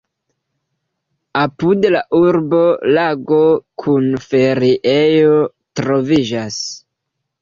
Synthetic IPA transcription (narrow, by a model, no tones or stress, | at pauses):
apudlaʔuɾbo̞laɡo̞kʰunfe̞ɾiʔejo̞ | tɾo̞vid͡ʒas